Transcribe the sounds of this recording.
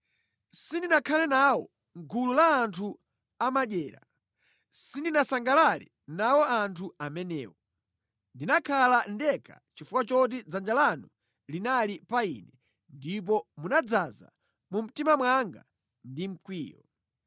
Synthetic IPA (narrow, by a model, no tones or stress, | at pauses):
sindinakʰalɛnawɔ̰ | ŋɡʰululaːntʰu | amaɗɛːɾa̰ | sindinasaŋɡalalɛ̰ | nawɔantʰuamɛnɛ̰ːwɔ | ndinakʰalandɛkʰa̰t͡ʃifukwat͡ʃɔt̬id͡zand͡ʒalanu | linalipaḭnɛ | ndip̬ɔmunad͡zaza̰ | mum̩timamwaŋɡa̰ | ndim̩kwḭːjɔ̰